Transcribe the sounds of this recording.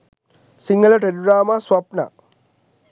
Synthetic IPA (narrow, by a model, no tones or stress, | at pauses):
siŋɡɐlɐʈedɾaːmaswɐpna̰